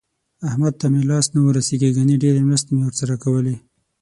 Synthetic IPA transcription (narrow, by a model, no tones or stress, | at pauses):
ahmad̪̚t̪amelɑst̪nawəɾaseɡiɡaniɖeɾemɾast̪emewəɾsaɾakawəli